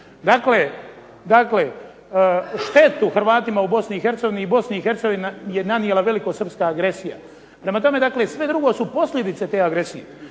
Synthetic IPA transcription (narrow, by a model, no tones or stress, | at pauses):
d̪akle | d̪akle̞ | ʃt̪e̞t̪uxr̩ʋaːt̪imaubo̞sniːxe̞ɾt̪seɡo̞ʋiniːbo̞sniixe̞ɾt̪seɡo̞ʋinje̞nanijelaʋe̞likosr̩pskaːɡɾe̞sija̰ | pɾe̞mat̪o̞me̞d̪akle̞sʋe̞d̪ɾuɡo̞supo̞sʎʲe̞d̪it̪set̪eːaɡɾe̞sije